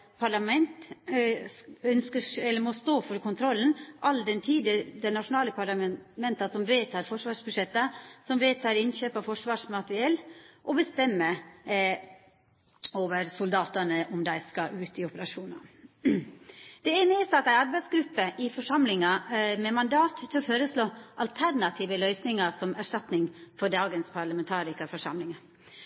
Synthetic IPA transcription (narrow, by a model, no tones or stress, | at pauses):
pʰɑɭɑmɛnt̪ | œnskəɛlːəɾmɔst̪oːfɔɾəkʰʊnt̪ʰɾɔlːnʔɑld̪ɛnt̪ʰiːd̪ɪəd̪ɛnɑʂʊnɑːləpʰɑɭɑmmɛnt̪ɑsɔmʋeːt̪ʰɑːɾfɔʂʋɑːʂbʉʂɛt̪ːəsɔmʋeːt̪ʰɑːɾɪnɕøːpɑfɔʂʋɑːʂmɑt̪əɾɪɛlːʔɔbəst̪ɛmːə | oːʋəɾsʊld̪ɑːt̪ənəʔɔmd̪æɪskɑʔʉːt̪ɪɔpəɾɑʂuːnɑ̰ | d̪̥ɛenəɪsɑt̪d̪æɪɑɾbæɪsɡɾʉpːəʔɪfɔʂɑmlɪŋɑmɛmɑnd̪ɑːt̪ʰːɪlɔføːɾəsloːʔɑlt̪ʰæɾnɑt̪ʰiːʋəlœʏsnɪŋɑsɔmæʂʈɑt̪nɪŋfɔɖɑːɡənspʰɑɾɭəmɛnt̪ʰɑːɾɪkəfɔʂɑ̰mlɪŋɑ